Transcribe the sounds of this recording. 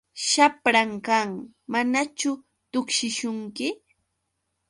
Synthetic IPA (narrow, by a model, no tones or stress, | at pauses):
ʃapɾaŋkaŋmanat͡ʃʊ | t̪ʊkʃɪʃʊŋkɪ